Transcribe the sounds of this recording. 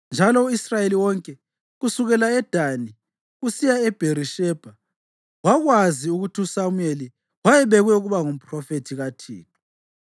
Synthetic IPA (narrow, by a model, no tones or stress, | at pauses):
nd͡ʒʱalɔuisrajeliwɔŋkʼɛ | ɣusuɣɛlaɛd̥ʱani | ɣusijaɛb̥ʱeɾiʃɛb̥ʱa | waɣwaziuɣutʰiusamueli | wajɛβɛɣwɛuɣuβaŋum̩pʰʼrɔfetʰiɣatʰḭːtʰu̥